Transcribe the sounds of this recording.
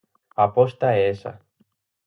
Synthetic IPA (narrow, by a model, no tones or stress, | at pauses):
apost̪aesa̰